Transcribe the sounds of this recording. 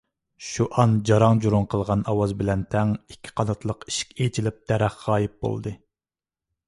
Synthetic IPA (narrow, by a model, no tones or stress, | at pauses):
ʃuʔɑnd͡ʒɑɾɑŋd͡ʒuɾʊŋqʰəlˠʁɑnɑwɑzbɪlɛnt̪ʰɛŋi̥kʲʰːi̥qʰɑnɑt̪ʰlˠəqi̥ʃi̥kʲet͡ʃʰilɪp̚d̪ɛɾæχːɑːjip̚bo̰lˠd̪ɨ